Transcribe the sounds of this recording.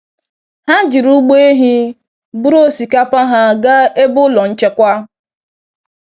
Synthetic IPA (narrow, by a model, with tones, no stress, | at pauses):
ha˦d͡ʒi˨ɾu˦ɡ͡be˦e˦ɦi˦ | bu˦ɾo˦si˨ka˦pa˦ɦa˦ɡa˦e˦bʊ˦lɔ˨n̩˦t͡ʃe˦kʷa˦